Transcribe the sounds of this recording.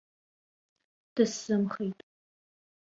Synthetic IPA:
d̥ɨsːɨmχejtʼ

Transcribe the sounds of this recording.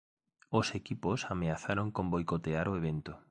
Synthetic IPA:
osekiposameaθaɾoŋkõmbojkot̪eaɾoeβ̞ent̪o

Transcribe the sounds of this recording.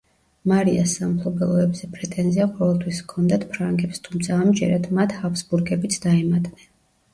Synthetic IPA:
maɾiasːampʰlˠɔbɛlˠɔɛbzɛpʼɾɛt̪ʼɛnziaqʼɔvɛlˠt̪ʰwiskʰɔnd̪at̪pʰɾaŋɡɛpst̪ʰumt̪sʰaːmd͡ʒɛɾat̪ʰmat̪ʰhapsbuɾɡɛbit̪sʰd̪aɛmat̪ʼnɛn

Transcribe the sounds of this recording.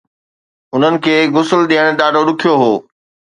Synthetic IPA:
ʊn̤ənɪ̆kʰeːɣʊsəlɗiːəɽ̃ɗaːɖoɗʊkʰijoɦoː

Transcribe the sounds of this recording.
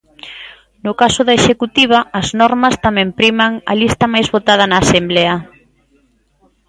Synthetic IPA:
nʊkasʊðɐeʃekut̪iβ̞ɐːznɔɾmɐst̪amɛ̃mpɾimaŋɐ̰list̪ɐmajzβot̪að̞ɐnaːsemblɛɐ

